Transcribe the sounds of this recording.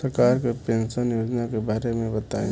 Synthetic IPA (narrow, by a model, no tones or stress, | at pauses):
əɾkaɾkepensənjod͡ʒnakebaɾemẽbət̪ai